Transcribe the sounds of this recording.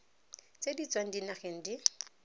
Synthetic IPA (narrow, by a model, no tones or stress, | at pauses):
t͡sʼedit͡sʼwaŋ̩dinaχeŋ̩di